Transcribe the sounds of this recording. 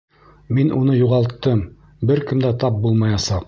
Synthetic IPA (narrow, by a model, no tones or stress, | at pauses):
minʔunɤjuʁɑlˠt̪ːɤm | bɘɾkɘ̆md̪æt̪ɑp̚bulˠmɑjɑsɑq